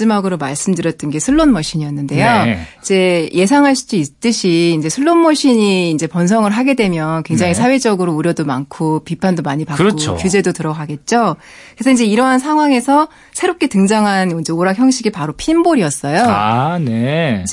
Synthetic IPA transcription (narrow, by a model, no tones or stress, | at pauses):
d͡ʑimaɡɯɾomaɭs͈ɯmdɯɾjʌt͈̚ɯnɡe̞sʰɯɭːonmʌɕ͈ʰiɲiʌnːɯnde̞joid͡ʑe̞jʔe̞sʰaŋɦaɭɕ͈ʰi̥s͈uit͈ɯɕʰiːnd͡ʑe̞sʰɯɭːonmʌɕ͈ʰiɲiːnd͡ʑe̞pʌns̬ʰʌŋɯɭɦaɡe̞dwe̞mjʌnkwe̞ŋd͡ʑaŋisʰawe̞d͡ʑʌɡɯɾouɾjʌdomankʰopipʰandomaɲipakk͈oo̰kjud͡ʑe̞dotɯɾʌɡaɡe̞t̚t͡ɕ͈o | kɾesʰʌind͡ʑe̞iɾʌɦansʰaŋɦwaŋe̞sʰʌ | sʰe̞ɾop̚k͈e̞tɯŋd͡ʑaŋɦanind͡ʑeoɾakçjʌŋɕʰiɡipaɾopʰimboɾiʌs͈ʌjoane